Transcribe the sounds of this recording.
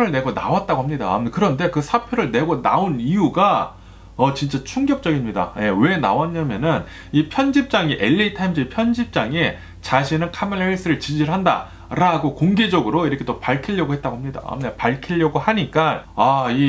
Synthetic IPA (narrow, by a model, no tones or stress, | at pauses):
pʰɾɯɭne̞ɡona̰wat̚t͈aɡoɦamɲida̰kɯɾʌnde̞kɯsʰapʰjoɾɯɭne̞ɡona̰onijuɡa | ʌt͡ɕint͡ɕ͈at͡ɕʰuŋɡjʌp̚t͡ɕ͈ʌɡimɲida̰je̞we̞na̰wʌnːamjʌnɯn | ipʰjʌnd͡ʑip̚t͡ɕ͈aŋiʔe̞ʎːitʰamd͡ʑipʰjʌnd͡ʑip̚t͡ɕ͈aŋe̞ | t͡ɕaɕʰinɯnkʰameɭeɭs͈ɯɾɯɭt͡ɕid͡ʑiɾɯɭɦanda̰ | ɾaɡokoŋɡe̞d͡ʑʌɡɯɾoiɾʌkʰe̞t͈opaɭkʰiʎːʌɡoɦe̞t̚t͈aɡoɦamɲida̰mɲapaɭkʰiʎːʌɡohaɲik͈aai